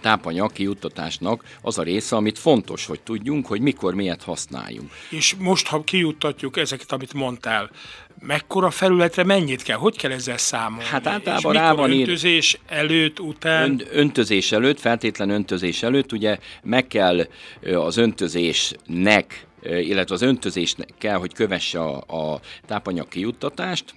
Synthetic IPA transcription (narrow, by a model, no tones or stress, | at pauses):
t̪aːpɒɲɒkːijut̪ːɒt̪a̰ːʃnɒkɒzɒɾeːsɛɒmit̪fo̞nt̪o̞̰ʃhoct̪uɟːuŋkho̞ɟmiko̞rmijɛrt̪hɒsna̰ːjːṵŋkeːʃmo̞ʃt̪hɒkijut̪ːɒcːukɛzɛkɛ̥t̪ɒmit̪mo̞nt̪aːl | mɛkːo̞ɾɒfɛlylɛt̪rɛmɛɲːit̪kɛlɦo̞ckɛlɛzːɛlsaːmohat̪aːlt̪ɒla̰ːbbɒmɾaːbɒniøzeːʃɛløːt̪ːut̪aːnønt̪ø̞zeːʃɛløːt̪fɛlt̪eːt̪lɛnø̞nt̪øzeːʃɛløːt̪ːuɟɛmɛkːɛlɒzønt̪øzeːʃnɛkilːɛt̪ʋɛɒzønt̪ø̞zeːʃnɛkːɛlɦo̞ckøvɛʃːɛ̰ɒ̰t̪aːpɒɲɒ̰kːijut̪ːɒt̪aːʃt̪